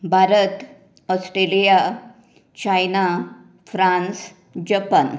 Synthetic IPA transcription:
bʱaɾət̪ | ɔsʈɾelija | t͡ɕajna | fɾãns | d͡ʑəpən

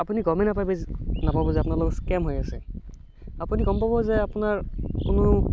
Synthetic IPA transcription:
apuniɡɔmɛnapajbɛnapabɔzɛapʊnaɹlɔɡɔskɛmɦojasɛ | apuniɡɔmpabɔzɛapunaɹkʊno

